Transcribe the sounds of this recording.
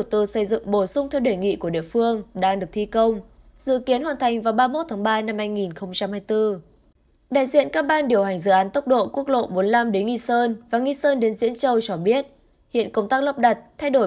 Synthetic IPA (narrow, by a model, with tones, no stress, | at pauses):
t̪ɨ˨˦sə˧˩jzɨ̰˧˨ŋɓo˧˩sʊ˧ŋ͡mt̪ʰɛ˧wɗe˧˩jŋḭ˧˨ku˧˩əɗḭ˧˨əfɨ˧əŋɗaː˧ŋɗɨ˨˩ək̚t̪ʰi˧kə˧wŋ͡m | zɨ̰˧˨ki˨˦ənhwaː˨˩nt̪ʰa˨˩jŋ̟vaː˨˩wɓaː˧mo˦˥t̚t̪ʰaː˨˦ŋɓaː˧na˧mhaː˧jŋi˨˩nxə˧wŋ͡mt͡ɕa˧mhaː˧jt̪ɨ˧ | ɗa̰ː˧˨jzḭ˧˨ənkaː˧˥ɓaː˧nɗi˧˩əwha˨˩jŋ̟zɨ̰˧˨ʔaː˨˦nt̪ə˦˥wk͡p̚ɗo̰˧˨ku˦˥ək̚lo̰˧˨ɓo˨˦nla˧mɗe˨˦nŋi˧səː˧nvaː˨˩ŋi˧səː˧nɗe˨˦nzḭ˧˥ənt͡ɕə˧wt͡ɕɔ˧ɓi˦˥ət̚ | hḭ˧˨ənkə˧wŋ͡mt̪aː˦˥k̚lə˦˥wp̚ɗa˨˩t̚t̪ʰa˧jɗo˧˩